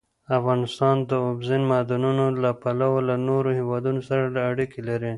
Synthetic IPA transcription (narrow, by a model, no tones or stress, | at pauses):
afɣɑnɪst̪ɑnd̪əobzɪnmɑd̪ɑnunolapalawolanoɾohewɑd̪unosaɾalaːɽikelaɾi